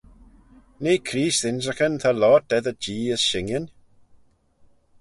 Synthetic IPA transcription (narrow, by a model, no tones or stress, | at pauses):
neːkʰɾiːsðɪnz̬əxənθʰalɔt̚ɛðəd͡ʒiːəzʃɪŋjən